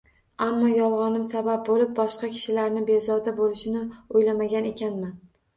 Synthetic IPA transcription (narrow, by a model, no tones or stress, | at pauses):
amːɒjɒlˠʁɒnɪmsabap̚bolɪp̚bɒʃqɑkʲʰɪ̥ʃɪlaɾnɪbezɒd̪abolɪʃɪnɪojlamaɡʲane̞kʲanman